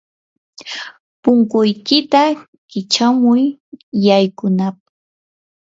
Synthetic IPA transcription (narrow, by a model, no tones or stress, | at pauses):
pʊŋkʊjkɪt̪a | kɪt͡ʃamʊjːajkʊnap̚ḁ